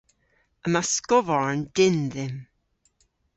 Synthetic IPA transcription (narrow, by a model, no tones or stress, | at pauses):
əmaskɔvaɹnd̥ɪnðɪm